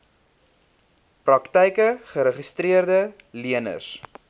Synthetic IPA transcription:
prɐktɛjkəχəɾəχəstriərdə | liənə̰s

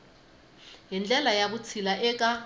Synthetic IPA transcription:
jind͡ɮɛlajaβut͡sʰilaʔɛk̬ʼa

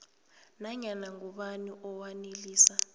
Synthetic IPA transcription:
naɲanaŋuɓaniʔɔwaneliːsa

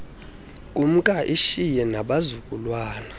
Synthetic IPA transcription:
kʼum̩kʼaʔiʃijɛnaɓazukʼulwaːna

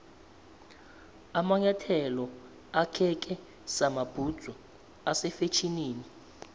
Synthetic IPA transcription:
amaɲatʰɛlɔ | akʰɛk̬ʼɛ | samab̥ʱud̥z̥ʱɔ | asɛfet͡ʃʰiniːni

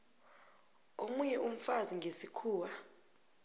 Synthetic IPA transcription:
omuɲɛʔum̩faziŋɡʱesikʰuːwa

